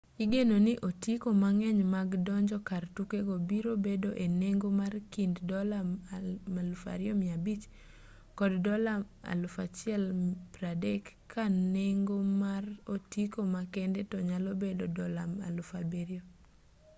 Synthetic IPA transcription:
iɡenonɪʔotikomaŋɛɲmaɡdɔɲd͡ʒɔkartukeɡobiɾobedoʔeneŋɡomarkinddɔla | malufa̰ɾɪɔmɪabit͡ʃ | kɔddɔla | a̰lʊfat͡ʃɪɛlpɾadɛkʰː | aneŋɡomarotikomakɛndetɔɲalobedodɔlama̰lʊfabeɾjo

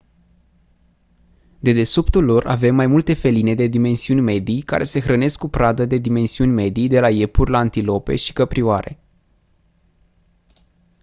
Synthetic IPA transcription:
d̪e̞d̪e̞supt̪ulːo̞ra̰ve̞mːajmult̪e̞fe̞line̞d̪e̞d̪ime̞nsiunʲme̞d̪ijka̰ɾʔe̞se̞xɾəne̞skːupɾad̪əd̪e̞d̪ime̞nsiunʲme̞d̪ijd̪e̞laje̞purʲlaːnt̪ilo̞pe̞̰ʃi̥kəpɾioaɾʔe̞̰

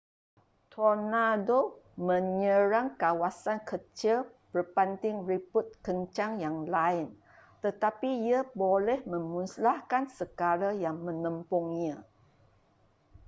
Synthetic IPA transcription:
t̪ʰonadomə̃ɲə̃ɾaŋkawasankət͡ʃəl | bərpant̪ɪŋriput̪̚kəɲt͡ʃaŋjaŋlaɪn | t̪ət̪apiiabolɛhmə̃mũnslahkansəɡalajaŋmə̃nə̃mpɔŋã

